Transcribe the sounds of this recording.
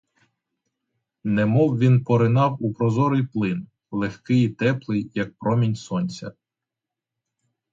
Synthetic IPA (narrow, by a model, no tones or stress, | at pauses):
nɛmɔwʋʲinpɔɾɪnɑwupɾɔzɔɾɪjplˠɪn | lˠexkɪjit̪ɛplˠɪjːɐk̚pɾɔmʲinʲsɔnʲt͡sʲɐ̰